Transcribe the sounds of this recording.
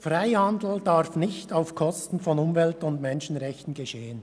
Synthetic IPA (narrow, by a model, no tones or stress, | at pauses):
fʁaɪhandl̩d̥aɾfnɪçtaʊfkʰɔstn̩fɔnʊmvɛltʊndmɛnʃn̩ʁɛçtn̩ɡeʃeːən